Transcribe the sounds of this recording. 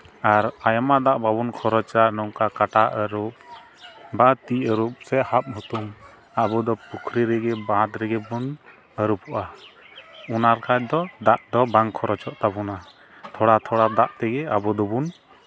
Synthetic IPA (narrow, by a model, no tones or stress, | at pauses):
aɾajɔmad̪aʔbabunkʰɔɾɔt͡ʃaʔnɔŋkakaʈaʔəɾup̚ | bat̪iʔəɾup̚sɛʔhap̚ɦut̪um | abɔd̪ɔpukʰɾiɾɛɡɛbaat̪ɾɛɡɛbun | əɾupʰɔʔa | unaɾkʰat͡ʃ̚d̪ɔd̪aʔd̪ɔbaŋkʰɔɾɔt͡ʃɔʔt̪abuna | t̪ʰɔɽat̪ʰɔɽad̪aʔt̪ɛɡɛabɔd̪ɔbun